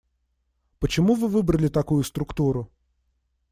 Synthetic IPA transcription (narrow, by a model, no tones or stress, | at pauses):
pət͡ɕɪmuvɨvɨbɾəlʲɪt̪ɐkujʊst̪ɾʊkt̪uɾʊ